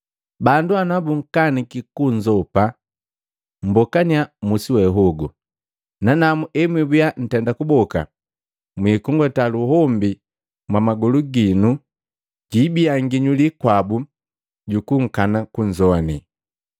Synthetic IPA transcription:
banduanabuŋ̩kanikikuɲd͡ʒɔpa | m̩bɔkaniamusiwɛɦɔɡu | nanamuʔɛmwibujan̩tɛndakubɔka̰ | mwiːkuŋɡɔtaluɦɔmbi | mwamaɡɔluɡinu | ɟiːbiaŋɡiɲulikwabu | ɟukuŋ̩kanakuɲd͡ʒɔni

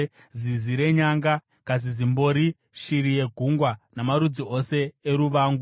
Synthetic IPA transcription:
ziziɾe̞ɲaŋɡa | kaz̬izimbo̞ɾi | ʃiɾije̞ɡʱuŋɡwanamaɾud͡ziose̞ːɾuʋaːŋɡu

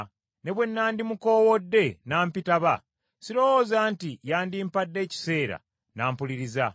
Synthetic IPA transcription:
ne̞βwe̞nːaːndimuko̞ːwo̞dːe̞naːmpitaβa | siɾo̞woːzaːntijaːndimpadːe̞ːci̥se̞ːɾa̰ | naːmpuliɾiza

